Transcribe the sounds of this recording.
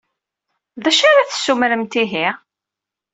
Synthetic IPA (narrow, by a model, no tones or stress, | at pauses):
ðæʃaɾaθə̥sːumɾəmt̪iɦi